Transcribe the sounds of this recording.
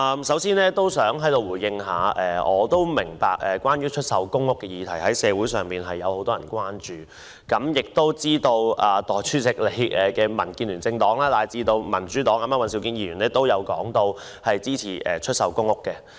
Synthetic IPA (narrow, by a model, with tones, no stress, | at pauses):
ʔɐ˧msɐ˨˥wsiː˥nɛː˥t̪o˥wsœː˨˥ŋɦɐ˨˥jt̪o˨˧wuː˨˩jɪ˧ŋɦaː˨˧ʔɛː˨ɔː˨˧t̪o˥wmɪ˨˩ŋpaː˨k̚ʔɛ˨kʷwaː˥nɥyː˥t͡ʃʰɵ˥t̚sɐ˨wkʊ˥ŋʊ˥kːɛ˧jiː˧t̪ʰɐ˨˩jhɐ˨˥jsɛː˨˧wuː˨˥jsœː˨˩ŋpiː˨nɦɐ˨jːɐ˨˧who˨˧˥t̪ɔː˥jɐ̰˨˩nkʷwaː˥nt͡ʃyː˨ | kɐ˨˥mjɪ˨k̚t̪o˥wt͡siː˥t̪o˧wʔaː˨˩t̪ɔː˨jt͡ʃʰyː˥t͡sɪ˨k̚le˨˧jʔɛ˨kɛː˧mɐ˨˩nkiː˧nlyː˨˩nt͡sɪ˧ŋt̪ɔː˨˥ŋlaː˥t̪aː˨jt͡siː˧t̪o˧wmɐ˨˩nt͡ʃyː˨˥t̪ɔː˨˥ŋɐ˨˧mjɐ˥wɐ˨˧nsi˨˥wkiː˧njiː˧˩jy˨˩nɛː˥t̪o˥wjɐ˨˧wkɔ̰ː˨˥ŋt̪o˧w | hɐ˨jt͡siː˥t͡sʰḭː˨˩ʔɛ̰˨t͡ʃʰɵ˥t̚sɐ˨wkʊ˥ŋʊ˥kːɛ˧